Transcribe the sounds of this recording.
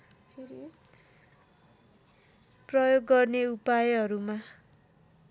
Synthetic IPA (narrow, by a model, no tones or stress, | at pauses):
prʌjoɡːʌrneupajeɦʌɾuma